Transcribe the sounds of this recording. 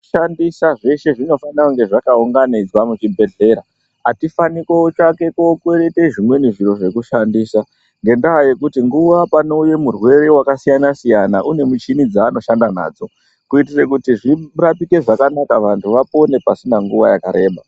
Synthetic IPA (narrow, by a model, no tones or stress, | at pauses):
ʃandisaʐe̞ʃe̞ʐino̞fanakuŋɡe̞ʐakauŋɡanid͡zwamut͡ʃibʱe̞ɮe̞ːɾa | atifanikweot͡ʃake̞kokweɾeteʐimwe̞niʐiɾo̞ʐe̞kuʃandiːsa | ŋɡe̞ndaɦaje̞kutiŋɡuʋapanouje̞murwe̞ɾe̞wakasijanasijanaʔune̞mut͡ʃinid͡zaːno̞ʃandana̰ːd͡zo̞ | kuitire̞kutiʐirapike̞ʐakanakaʋantʰuʋapo̞ne̞pasinaŋɡuʋajakaɾe̞ːɓa